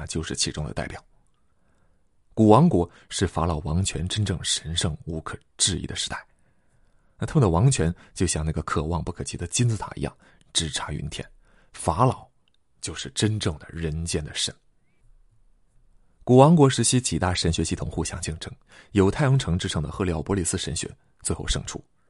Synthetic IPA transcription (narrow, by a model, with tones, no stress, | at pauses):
t͡ɕjo˥˧ʊʂɻ̩˥˩t͡ɕʰi˧˥ʈ͡ʂʊ˥ŋd̪ə̰˧t̪a˥˩ɪpjɑ˨˩˦ʊ | ku˨˩wɑ˧˥ŋkwɔ˧˥ | ʂɻ̩˥˩fa˧˥lɑ˨˩ʊwɑ˧˥ŋt͡ɕʰɥɛ̰˧˥nʈ͡ʂə˥nʈ͡ʂɤ˥˩ŋʂə˧˥nʂɤ˥˩ŋu˧˥kʰɤ˨˩ʈ͡ʂɻ̩˥˧ḭ˥˩d̪ə˩ʂɻ̩˧˥t̪a˥˩ɪ | na˥˩a˥mə˨nd̪ə˩wɑ˧˥ŋt͡ɕʰɥɛ˧˥nt͡ɕjo˥˧ɕjɑ˥˧ŋna˥˩ɡə˩kʰɤ˨˩wɑ˥˧ŋpu˥˩kʰɤ˨˩t͡ɕʰi˧˥d̪ə˧t͡ɕi˥nt͡sɹ̩˥t̪ʰa̰˨˩ḭ˧˥jɑ̰˥˩ŋ | ʈ͡ʂɻ̩˥˩ʈ͡ʂʰa˧˥y̰˧˥nt̪ʰjɛ̰˥˩n | fa˧˥lɑ˨˩˦ʊ | t͡ɕjo˥˧ʊʂɻ̩˥˩ʈ͡ʂə˥nʈ͡ʂɤ˥˩ŋd̪ə̰˩ɻə˧˥nt͡ɕjɛ˥nd̪ə˨ʂə˧˩˦n | ku˨˩wɑ˧˥ŋkwɔ˧˥ʂɻ̩˧˥ɕʰi˥t͡ɕi˨˩t̪a˥˩ʂə˧˥nɕɥɛ˧˥ɕi˥˩t̪ʰʊ˨˩ŋxu˥˧ɕjɑ˥˧ŋt͡ɕi˥˧˩ŋʈ͡ʂɤ˥ŋ | jo˧˥ʊt̪ʰa˥˩ɪjɤ˧˥ŋʈ͡ʂʰɤ˧˥ŋʈ͡ʂɻ̩˥˩ʈ͡ʂʰɤ˧˥ŋd̪ə˧xɤ˥˧li˧˩ɑ˥˩pwɔ˧˥li˥˩sɹ̩˥˧ʂə˧˥nɕɥɛ̰˧˥ | t͡swe˥˧xo˥˧ʊʂɤ̰˥˧ŋʈ͡ʂʰu˥˩